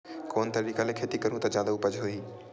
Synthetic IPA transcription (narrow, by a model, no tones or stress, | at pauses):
koːnt̪ɐɾiːkalekʰeːt̪ikɐɾũt̪ɐd͡ʑjaːd̪aupɐd͡ʒɦoiː